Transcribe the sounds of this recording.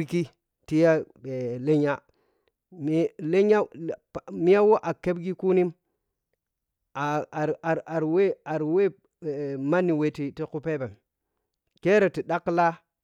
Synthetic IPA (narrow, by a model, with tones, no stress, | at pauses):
ki˦ | ti˦ja˦ | e˨le˦ɲa˦ | m˦le˦ɲa˦ | mi˦ja˦wo˦ʔa˨ke˦bɡi˦ku˦ni˦m | a˨a˨ɾa˨ɾwe˦a˨ɾwe˦˨ | ma˦ni˨we˦ti˦ti˦ku˦pe˦be˨n | ke˦ɾe˨ti˨ɗa˦kːla˦